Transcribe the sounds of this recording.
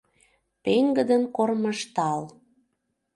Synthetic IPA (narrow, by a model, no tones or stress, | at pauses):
peŋɡəd̪ənkormə̆ʃt̪ɑl